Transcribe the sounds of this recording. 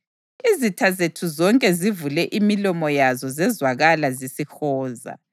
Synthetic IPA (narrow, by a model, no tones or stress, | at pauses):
izitʰazetʰuzɔŋkʼɛzivulɛʔimilɔmɔjazɔzɛzwaɣalazisixɔːza̰